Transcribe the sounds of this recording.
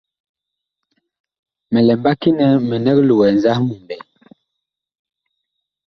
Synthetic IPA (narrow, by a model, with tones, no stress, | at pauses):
mɛ˨lɛ˨mba˦ki˦nɛ˨˦mə˨nɛ˦klu˨wɛ˨n˨za˦hmu˨mbɛ˨